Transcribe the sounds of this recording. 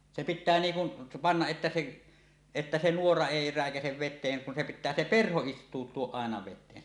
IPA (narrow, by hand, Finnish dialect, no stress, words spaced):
se pitˑæː niːŋ kun pɑnːɑʔ ʔetːæ seʔ etːæ se nuorɑ eˑi ræˑekæseʋ ʋetˑeːŋ kun se pitˑæː se perho istˑuːtˑuoʔ ʔɑˑenɑ ʋetˑeː